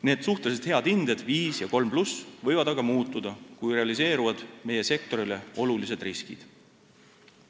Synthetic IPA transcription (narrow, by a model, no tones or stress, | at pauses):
ne̞ːd̪̥suht̪eset̪he̞ɑd̪̥ind̪e̞d̪̥viːsjɑko̞lmplusvɤ̞jvɑd̪ɑɡ̥ɑmuːt̪ːˑud̪̥ɑkujre̞ɑlise̞ːɾuvɑd̪̥me̞je̞se̞k̚t̪o̞ɾile̞o̞lulise̞d̪̥riskḭd̪̥